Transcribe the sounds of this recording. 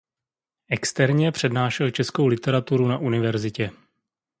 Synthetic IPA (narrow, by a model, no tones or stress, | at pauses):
ʔɛkst̪ɛɾɲɛpr̝̥ɛdnaːʃɛlt͡ʃɛskowlɪt̪ɛɾat̪uɾunaʔunɪvɛɾzɪcɛ